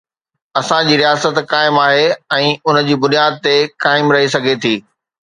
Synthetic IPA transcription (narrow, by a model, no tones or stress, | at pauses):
ɐsãd͡ʑiːɾijaːsət̪kaːɪmaːɦeɛ̃ːʊnəd͡ʑiːbʊnijaːd̪̚t̪ekaːɪmɾɐɦisɐɡʱet̪ʰiː